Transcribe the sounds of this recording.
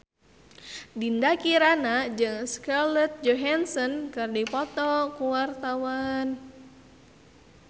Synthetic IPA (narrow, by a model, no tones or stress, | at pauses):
dindakiɾanad͡ʒɨŋskarlət̪̚d͡ʒɔɦansɔnkɨrdipɔt̪ɔkuwart̪awan